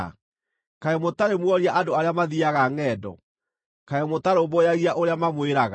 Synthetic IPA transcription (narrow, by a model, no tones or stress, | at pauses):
kaɛmotaɾemwɔɾiaʔadoaɾeamaðiaɣaŋɛːdɔ̰ | kaɛmotaɾobojaɣiaʔoɾeamamweɾaɣ